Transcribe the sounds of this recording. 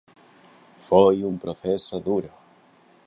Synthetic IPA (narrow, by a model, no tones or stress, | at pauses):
fojumpɾoθesoðuɾo